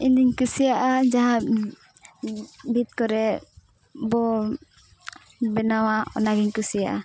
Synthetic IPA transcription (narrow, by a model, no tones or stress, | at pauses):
ind̪iɲkusijaʔad͡ʒaɦã | bʱit̪̚kɔɾɛ | bɔ | bɛnawaɔ̰naɡɛɲkusijaʔa